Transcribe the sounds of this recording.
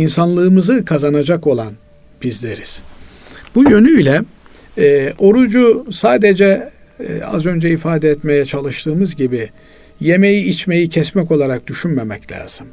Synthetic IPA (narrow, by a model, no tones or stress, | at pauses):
insanlˠɯːmɯzɯkʰazanad͡ʒako̞lˠan | b̥izlʲeɾiz̥ | b̥ujø̞nyilʲɛ | o̞ɾud͡ʒusaːd̪ed͡ʒɛ | a̰zø̞nd͡ʒɛifaːd̪ɛɛt̪me̞jɛt͡ʃʰalˠɯʃt̪ʰɯːmɯzɟibi | je̞me̞jiit͡ʃme̞jicʰɛsmɛco̞lˠaɾak̚d̪̥yʃynmemɛclʲa̰ːz̥ɯm